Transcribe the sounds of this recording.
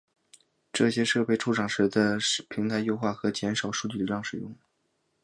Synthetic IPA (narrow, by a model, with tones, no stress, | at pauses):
ʈ͡ʂɤ˥˩ɕjɛ˥ʂɤ˥˧pe˥˩ɪʈ͡ʂʰu˥ʈ͡ʂʰɑ˨˩ŋʂɻ̩˧˥d̪ə˧˩pʰi˧˥ŋt̪ʰa˧˥ɪjo˥ʊxwa˥˩xɤ˧˥t͡ɕjɛ˧˥nʂɑ˨˩ʊʂu˥˧t͡ɕy˥˩˧jɑ˥˩ŋʂɻ̩˨˩jʊ˥˩ŋ